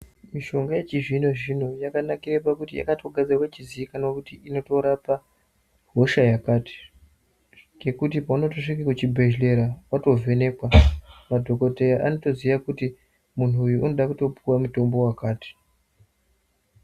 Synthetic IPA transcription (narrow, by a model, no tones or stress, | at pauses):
miʃo̞ŋɡajet͡ʃiʐino̞ʐino̞jakanakirepakutija̰katʰo̞ɡʱad͡zirwat͡ʃiziikanaokutiino̞to̞ɾapa | ɦo̞ʃajakaːti̥ | ɡe̞kut̬ipauno̞to̞ʂikakut͡ʃibʱe̞ʒle̞ɾawato̞vʱe̞ne̞ːkwamadʱo̞ko̞te̞jaʔano̞to̞ziʋakuti | mun̤uːjuʔuno̞ɗakuto̞puwamuto̞mbo̞wakaːti̥